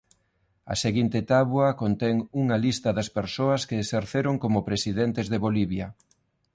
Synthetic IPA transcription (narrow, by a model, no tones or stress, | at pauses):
ɐ̰seɣint̪ɪt̪aβwɐkont̪ɛŋuŋɐlist̪ɐðɐspeɾsoɐskeːseɾθeɾoŋkomʊpɾesiðent̪ezðeβoliβjɐ